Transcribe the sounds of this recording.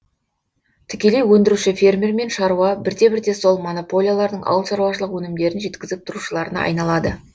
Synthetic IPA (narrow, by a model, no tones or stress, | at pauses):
t̪ʰɪkʲe̞le̞jwɵnd̪ɪɾuʃɪfʲe̞rmʲeɾme̞nʃɑɾuwɑbɪɾd̪e̞bɪɾd̪e̞so̞lˠmo̞no̞po̞lʲijalˠɑɾd̪əɴʔɑ̰wəlˠʃɑɾuwɑʃəlˠəqwɵnɪmd̪e̞ɾɪnʒe̞t̪kʲɪzɪp̚t̪ʰʊɾuʃəlˠɑɾənɑ̰ɑ̰jnɑlˠɑd̪ə